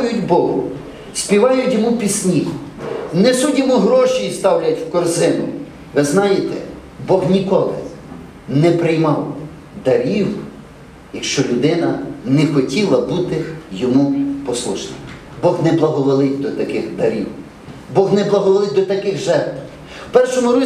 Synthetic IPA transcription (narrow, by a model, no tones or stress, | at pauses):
jʊtʲbɔɦʊ̰ | sʲpʲiʋɑjʊtʲjɔmupʲisʲnʲijnɛsudʲɔmuɦɾɔʃijist̪ɑwlʲɐtʲwkɔrzɪnʊ̰ | ʋɪznɑjet̪ɛ̰ | bɔɣnʲikɔlˠɪ̰ | nɛpɾɪjmɑw | d̪ɐɾʲiw | jɐkʃt͡ʃɔlʲʊd̪ɪnɐnɛxɔtʲilˠɐbut̪ɪjɔmupɔslˠuʃnʲɪm | bɔɣnɛblˠɐɦɔʋɔlˠɪtʲd̪ɔt̪ɐkɪxd̪ɐɾʲiw | bɔɣnɛblˠɐɦɔlɔlˠɪt̚ʲd̪ɔt̪ɐkɪɣʒɛrt̪w | pɛrʃʊnɔɾʊ